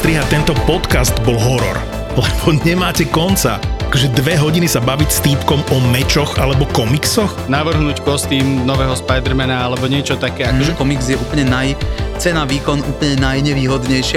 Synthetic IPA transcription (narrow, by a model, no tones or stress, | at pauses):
st̪ɾiɦat̪ɛnt̪ɔpɔt̪kazd̪bɔlɦɔɾɔ̰ɾ | lɛbɔɲɛmaːcɛkɔnt͡sa̰akɔʒɛd̪ʋɛɦɔɟinisabaʋicst̪iːpkɔmɔmɛt͡ʃɔxalɛbɔkɔmiksɔxnaʋr̩ɦnuːckɔst̪iːmnɔʋɛːɦɔspajd̪ɾ̩mɛnaalɛbɔɲɪɛt͡ʃɔt̪akɛːakɔʒɛkɔmikzjɛʔuːpl̩ɲɛnajt͡sɛnaʋiːkɔnuːpl̩ɲɛnajɲɛʋiːɦɔd̪ɲɛjʃɪa